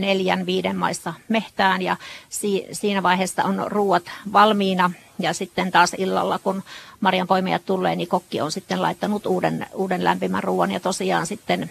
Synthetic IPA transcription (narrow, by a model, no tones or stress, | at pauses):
neljænʋiːdemmɑ̰isːɑmeht̪æːnjɑsiːsiːnæʋɑiheːsːɑ̰onruːwɑt̪ʋɑlmiːnɑ | jɑsit̪ːent̪ɑːsilːɑ̰lːɑkunmɑrjɑmpoimejɑt̪t̪ulːḛːnikokːio̰nsit̪ːenlɑ̰it̪ːɑnut̪uːdenuːdenlæ̰mpimæ̰rruːwɑnjɑt̪osiɑ̰ːnsit̪ːen